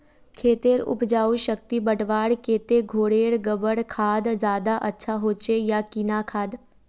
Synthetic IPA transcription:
kʰeːt̪eɾʊ̰pd͡ʒaːuʃək̚t̪ibəʈʋaːɽkeːt̪eɡʱoːɽeːɽɡəbəɽkʰaːd̪zjaːd̪aʔɐtːʃʰaɦoːt͡ʃejakinakʰaːd̪

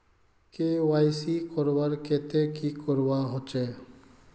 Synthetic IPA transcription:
kewajsikɔɾwaɾkeːt̪ekikɔɾwaɦot͡ʃeː

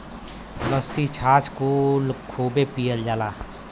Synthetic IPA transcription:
ləsit͡ʃʰaːt͡ʃkulkʰoːbepijəld͡ʒaːlaː

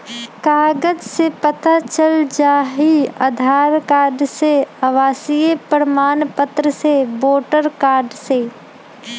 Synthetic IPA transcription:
kaːɡəd͡ʒsepət̪at͡ʃəld͡ʒaːɦiɐ̰d̪ʱaːɾkaːɾɖseɐʋaːsijəpəɾəmaːnpət̪ɾəseboːʈəɾkaːɾɖseː

